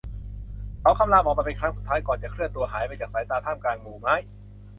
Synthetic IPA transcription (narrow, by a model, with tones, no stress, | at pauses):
ʔa˨˧˩wkʰa˧˥˩mlaː˧˥˩mʔɔː˨˩waː˧˩pe˧nkʰɾa˦˥ŋsu˨˩t̪ʰːaː˦˥jkɔː˨˩nt͡ɕa˨˩kʰɾɯ˥˩ənt̪u˧ɐɦaː˩˦jpaː˧t͡ɕaː˨˩k̚saː˩˦jt̪aː˧t̪ʰaː˥˩mkaː˧nmuː˨˩ma˦˥j